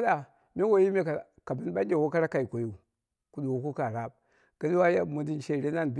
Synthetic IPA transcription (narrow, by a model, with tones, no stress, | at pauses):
da˨ | me˦wo˦ji˦me˦kka˨bi˦n˦ɓa˦e˦˨wo˦ka˦ɾa˦ka˨i˨ko˨ju˦˨ | ku˦nu˨wo˨˦ku˦ka˨ɾa˦b̚ | ɡ̥ə˦ni˦wa˦ja˦˨mu˨ndi˦n˨ʃe˦˨ɾe˦na˦nb